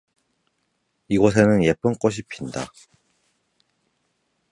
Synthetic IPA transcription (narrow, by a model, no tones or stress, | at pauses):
iɡos̬ʰe̞nɯnjep͈ɯnk͈oɕ̬ʰipʰinda̰